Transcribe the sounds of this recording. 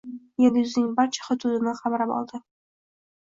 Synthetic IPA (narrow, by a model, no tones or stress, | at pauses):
jeljuznɪŋbaɾt͡ʃʰḁχʊt̪ʰud̪ɪnɪχɑbaɾapɒ̰lˠd̪ɪ